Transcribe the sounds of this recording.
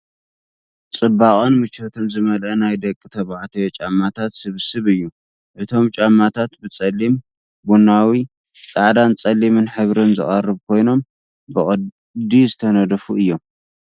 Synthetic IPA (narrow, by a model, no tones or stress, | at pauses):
t͡sʼɨbːaχʼonmɨt͡ʃot̪ʰomzɨmɐlʔɐnajd̪ɐkʼːɨt̪ʰɐβaʕt̪ʰɐjot͡ʃʼamːat̪ʰat̪sɨβsɨβɨjːu | ʔɨt̪ʰo̞mt͡ʃʼamːat̪ʰat̪bɨt͡sʼɐlːim | bunawi | t͡sʼaʕd̪ant͡sʼɐlːimɨnħɨβɾɨnzɨ̰χʼɐrːɨβkʰo̞jno̞m | bɨʔʼɐ | d̪izɨt̪ʰɐnɐd̪ɐfuɨjːo̞m